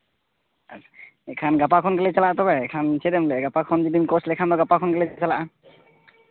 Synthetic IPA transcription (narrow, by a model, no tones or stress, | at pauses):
a̰t͡ʃʰḁ | ɛkʰanɡapakʰɔnkɛlɛt͡ʃalaʔat̪ɔbɛɛkʰansʰɛd̪ɛmlɛɡapakʰɔnd͡ʒidinkɔslɛkʰand̪ɔɡapakʰɔnkelɛt͡ʃalaʔa